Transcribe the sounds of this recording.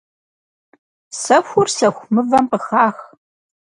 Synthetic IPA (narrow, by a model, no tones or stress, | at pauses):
sɐxʷʊrsɐxʷmɨvɐmqəxaːx